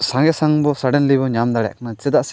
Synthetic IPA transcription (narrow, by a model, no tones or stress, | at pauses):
sãŋɡɛsaŋbɔsaɖɛnlibɔɲamd̪aɽɛ̰ʔkanat͡ʃɛd̪aʔs